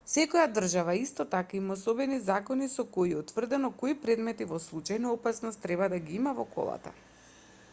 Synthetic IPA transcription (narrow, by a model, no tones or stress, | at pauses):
sɛkojad̪r̩ʒavaist̪ɔt̪akaimaosobɛnizakɔnisɔkoiɛut̪vr̩d̪ɛnɔkoipɾɛd̪mɛt̪ivɔslˠut͡ʃajnaɔpasnɔst̪ːɾɛbad̪aɡiimavɔko̰lˠa̰t̪a̰